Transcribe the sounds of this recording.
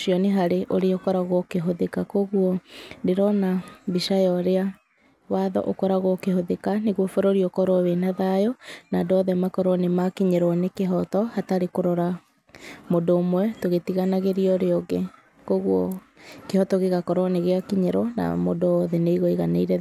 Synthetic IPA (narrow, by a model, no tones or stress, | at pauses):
ʃiɔneɦaɾeʔoɾeɔkɔɾaɣokeɦoðekakoɣwɔdeɾɔnabiʃajɔɾea | waðɔ̰ʔo̰kɔɾaɣokehoðekaneɣwɔfoɾoɾiɔkɔɾɔwenaðajɔnadɔðɛmakɔɾɔnemakiɲɛɾɔnekeɦɔtɔhataɾekoɾɔɾa | mondoːmwɛtoɣetiɣanaɣeɾiɔɾeɔɡe | koɣwɔ | kehɔtɔɣeɣakɔɾɔneɣeakiɲɛɾɔna̰modoɔðɛneiɣoiɣaneiɾɛ